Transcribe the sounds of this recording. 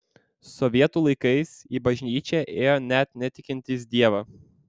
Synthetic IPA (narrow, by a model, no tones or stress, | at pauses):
sɔʋʲiɛt̪uːlˠɐɪkɐɪsiːbɐʒʲnʲiːt͡ʃʲɛʔeːjoːnʲɛt̪ʲnʲɛt̪ʲɪkʲɪnʲt̪ʲɪs̬d̪ʲiɛʋɐː